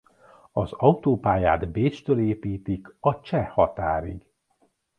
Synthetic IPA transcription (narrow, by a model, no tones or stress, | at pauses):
ɒzɒut̪oːpaːja̰ːd̪beːt͡ʃt̪øːleːpiːt̪ikɒt͡ʃɛhɒt̪aːɾiɡ